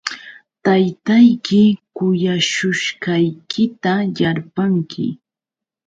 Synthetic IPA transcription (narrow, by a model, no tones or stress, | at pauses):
t̪ajt̪ajkɪkʊjaʃʊʃkɑjkɪt̪ajaɾpaŋkʰɪ̰